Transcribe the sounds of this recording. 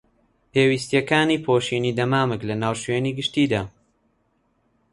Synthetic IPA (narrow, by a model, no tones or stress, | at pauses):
peːwiːst̪jɐkaːniːpʰoːʃiːniːd̪ɐmaːmɨklɐnaːwʃweːniːɡɨʃt̪iːd̪aː